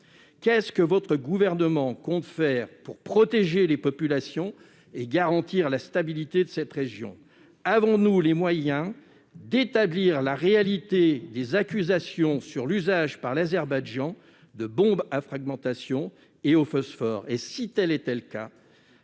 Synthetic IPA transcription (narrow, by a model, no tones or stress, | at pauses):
kʲɛskəvɔt̪χəɡuvɛʁnəmɑ̃kɔ̃t̪fɛːʁpuʁpχɔt̪eʒelepɔpylasjɔ̃ | eɡaʁɑ̃t̪iʁlast̪abilit̪ed̪əsɛt̪ʁeʒjɔ̰̃ | avɔ̃nulemwajɛ̃ | d̪et̪abliːʁlaʁealit̪ed̪ezakʲyzasjɔ̃syʁlyzaʒpaʁlazɛʁbajʒɑ̃ | d̪əbɔ̃bafχaɡmɑ̃t̪asjɔ̃ | eofɔsfɔʁesit̪ɛlɛt̪ɛləka̰